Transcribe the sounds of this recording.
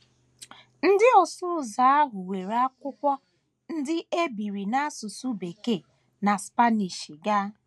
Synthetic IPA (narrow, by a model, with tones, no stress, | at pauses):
n̩˦dɪ˦ɔ˨sʊ˦˨za˨˦a˦ɦʊ˨we˨ɾa˦kʷʊ˦kʷɔ˦ | n̩˦dɪ˦ʔe˦bi˨ɾi˨na˦sʊ˨su˦be˨ke˦˨ | na˨spa˦ni˨ʃi˨ɡa˦